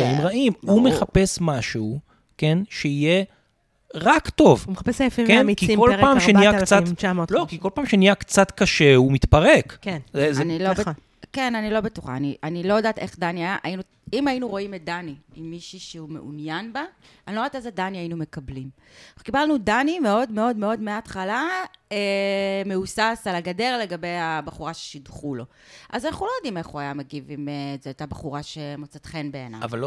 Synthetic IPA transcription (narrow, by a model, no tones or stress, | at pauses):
aimʁaʔimume̞χape̞smaʃuː | ke̞nʃeije̞ | ʁakto̞vumeapesefikenkikolpaːmʃeniakt͡saolokiko̞lpaːmʃenijakt͡sat̪kaʃe̞umit̪pɐʁekkenzeznilob | ke̞nanilo̞betuχa̰ːniʔanilojadaːt̪e̞χdaniajaʔajinu | imajinuʁo̞imet̚daniimːiʃiʃeume̞̰ʔṵnjanba | anilodatezedaniajinume̞kablim | kibalnudanimeo̞dmeo̞dme̞o̞dmeatχalaeme̞usasalaɡade̞ʁle̞ɡabe̞jabaχuʁaʃe̥ʃidχulo̞ | ʔazanaχnulojod̪ime̞χuajameɡivimezeːt̪abaχuʁaʃe̞mot͡satχe̞nbḛːna̰a̰val